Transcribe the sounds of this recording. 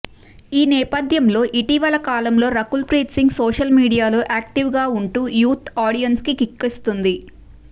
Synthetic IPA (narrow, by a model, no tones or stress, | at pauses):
iːnɛːpɐd̪ʱjɐmlo̞ːʔiʈiʋɐlɐkaːlɐmlo̞ːɾɐkulpɾiːʈsiŋɡsoːʃɐlmiːɽijaːloːʔaːk̚ʈiʋɡaːuɳʈuːjuːt̪ʰaːɽijɐnskikikːest̪und̪i